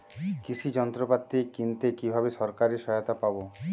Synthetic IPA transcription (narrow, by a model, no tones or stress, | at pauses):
kit͡ɕʰid͡ʑɔnt̪ɾopat̪ːikint̪ekibʱabeʃɔɾkaɾeʃɔot̪apabo